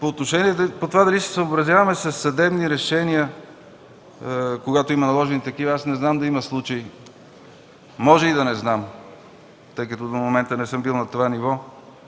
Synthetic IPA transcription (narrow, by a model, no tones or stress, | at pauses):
poːt̪noʃɛniɛd̪pot̪ovad̪ɐlisɛ̥səobɾɐzjavɐmɛsɐsːɐd̪ɛbniɾɛʃɛniə | koɡat̪oimɐnɐlˠɔʒɛnit̪ɐkivɐasnɛznamd̪ɐimɐslˠut͡ʃɐi | mɔʒɛid̪ɐnɛznam | t̪ɤjkɐt̪od̪omomɛnt̪ənɛsɤmbilˠnɐt̪ovanivɔ